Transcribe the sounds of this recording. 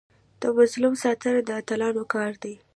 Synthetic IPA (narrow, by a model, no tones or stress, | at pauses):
d̪̥əmazlumsɑt̪ənad̪əat̪alɑnokɑɾd̪aj